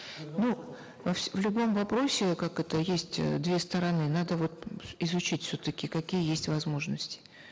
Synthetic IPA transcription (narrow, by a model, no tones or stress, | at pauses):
nu | vɐfsʲvlʲʊbo̞mvɐpɾo̞sʲɪkakɛt̪əjesʲtʲd̪vʲest̪əɾɐnɨnad̪əvo̞t̪ɪzʊt͡ɕitʲfsʲot̪əkʲɪkɐkʲijəjesʲtʲvɐzmo̞ʐnəsʲtʲɪ̥